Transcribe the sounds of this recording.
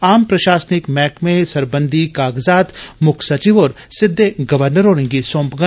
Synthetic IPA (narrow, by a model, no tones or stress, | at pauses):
aːmpɾɐʃaːsnɪkmɛːkmẽsɐɾbə̃nd̪ʱikaːɡzaːt̪mʊkʰsɐt͡ʃiʋoːɾ | sɪd̪ʱːeɡɐʋəɾnəɾɦoːnɪ̃ŋɡisõːmpɡə